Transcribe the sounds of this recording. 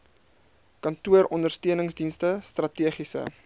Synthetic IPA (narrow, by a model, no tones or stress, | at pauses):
kɐntuəɾɔndərstiənəŋsdinstəstrɐtiəχisə̰